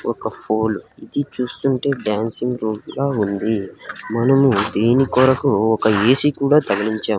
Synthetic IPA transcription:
ɔkɐpʰoːlid̪it͡ʃuːst̪uɳʈe̞ːɖjaːnsiŋɡɾuːmlaːund̪imɐnɐmud̪eːnikɔːɾɐkuɔkɐeːsikuːɽaːt̪ɐɡɐliɲt͡ʃaːm

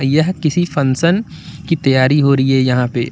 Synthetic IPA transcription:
jɐɦkɪsifɐ̃nsən | kit̪ɐjaːɾiɦoːɾɐɦiɦɛjɐɦãːpḛː

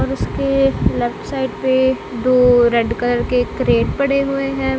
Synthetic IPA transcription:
ɔːɾʊskelɛːpsaːɪʈ̚pe | d̪oːɾɛɖkələɾkekɾeːʈpɐɽ̤eɦʊeɦɛ̃ː

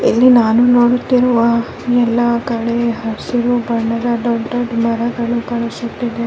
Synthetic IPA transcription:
elːinaːnunoːɽut̪ːiɾuʋa | nɛlːɐkɐɭeɦɐɾsiɾubɐɳːɐd̪ɐɖɐʈɐɖmɐɾɐɡɐɭukɐɭesut̪ːid̪e

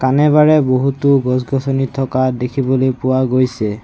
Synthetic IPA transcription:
kanɛβaɹɛboɦutuɡɔsɡʱɔsʰɔnitʰːɔkadekʰibɔlojpʊwaɡojsɛ

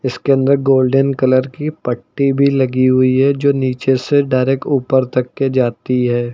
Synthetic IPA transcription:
ɪskeɐ̃nd̪əɾɡoːlɖənkɐləɾkipɐʈːibʱilɐɡiɦʊiɦɛd͡ʒoːniːt͡ʃeseɖaːɪɾeːkʈuːpəɾt̪ɐkːed͡ʒaːt̪iɦɛː

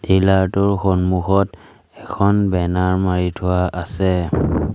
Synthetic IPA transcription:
d̥ilaɹtʊɹxonmuxɔt | ɛkʰɔnbɛnaɹmaɹitʰʊwaʔasɛ

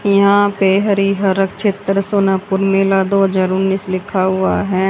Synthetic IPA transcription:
jɐɦãːpeɦəɾiɦəɾəkt͡ʃʰeːt̪ɾsoːnaːpʊɾmeːlad̪oːɦəzaːɾʊnːiːslɪkʰːaɦʊa̰ːɦɛː

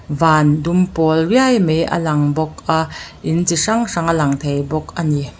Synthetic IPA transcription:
vaːndumpɔlriajmeʔɐ̰lɐŋbɔk̚ʔaʔɪnt͡siʂaŋʂaŋɐlɐŋt̪ʰejbɔk̚ʔani

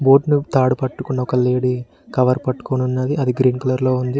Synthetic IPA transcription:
bo̞ːʈnut̪aːɽupɐʈːukunːɐɔkɐleːɽi | kɐʋɐɾpɐʈːu̥koːnunːɐd̪iʔɐd̪iɡɾiːnkɐlɐɾlo̞ːund̪i

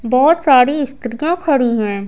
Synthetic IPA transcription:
bɔːt̪saːɾiɪst̪ɾijãkʰɐɽiɦɛ̃ː

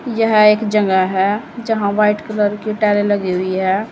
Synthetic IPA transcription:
jəɦeːkd͡ʒə̃ŋɡaɦɛ | d͡ʒəɦãʋaːɪʈkələɾkeʈɛːleləɡeɦʊiɦɛ

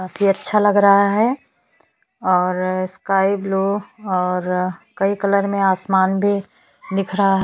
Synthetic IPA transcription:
kafʰiɐtːʃʰalɐɡɾɐɦaɦɛ | ɔːɾskaːibloɔːɾkɐikələɾmẽaːsmaːnbʱi | d̪ɪkʰɾɐɦaɦ

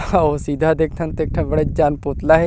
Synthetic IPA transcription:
oːsiːd̪ʱaːd̪ek̚ʰt̪ʰənt̪eːk̚ʰʈʰabəɽeːd͡ʒaːnpoːt̪laːɦeː

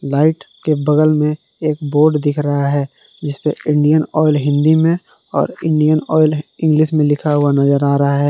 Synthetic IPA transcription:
laːɪʈkebɐɡəlmẽ | eːk̚boːɾɖd̪ɪkʰɾɐɦaɦɛː | d͡ʒɪspeɪ̃ɳɖijənɔːɪlɦɪ̃nd̪imẽ | ɔ̰ːɾɪ̃ɳɖijənɔːɪlɪ̃ŋɡlɪʃmẽlɪkʰaɦʊanɐzəɾaːɾɐɦaɦɛː

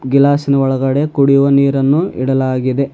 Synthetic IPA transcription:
ɡilaːsinɐɔɭɐɡɐɽe̞kuɽijuʋɐniːɾɐnːuḭɽɐlaːɡid̪e̞

